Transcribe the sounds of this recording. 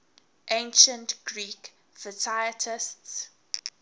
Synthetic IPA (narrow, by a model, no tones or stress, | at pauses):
ʔẽnʃə̃ntɡ̥ɹiːk | fətʰajətʰɪsts